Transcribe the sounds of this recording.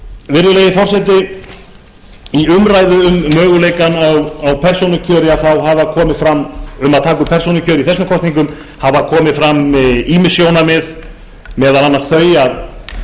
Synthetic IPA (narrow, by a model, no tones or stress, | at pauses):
vɪɾðʏleːjɪfɔr̥sɛt̪̬ɪ | iʏmɾaːjðʏʏmːœːɣʏleːjkanawawpʰɛr̥sownʏcʰœːɾɪaðθawɦaːvakʰɔːmɪfɾamːʏmaðt̪ʰaːkʏpʰɛr̥sownɪcʰœːɾɪiθɛsːʏmkʰɔst̪niŋkʏm | havakʰɔːmɪfɾamiːmɪsjoːwnamɛð | mɛːðalanːast̪θœːɥja